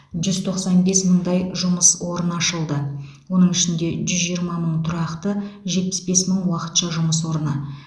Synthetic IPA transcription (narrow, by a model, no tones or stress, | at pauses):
ʒʏzt̪ʰo̞qsɑnbe̞sməɴd̪ɑjʒʊməswo̞ɾənɑʃəlˠd̪ə | wo̞nəɴɪʃɪnd̪e̞ʒʏzʒijəɾmɑməɴt̪ʰʊɾɑqt̪əʒe̞t̪̚pɪ̥sbe̞sməɴwɑqə̥t̪ʃɑʒʊməswo̞ɾənə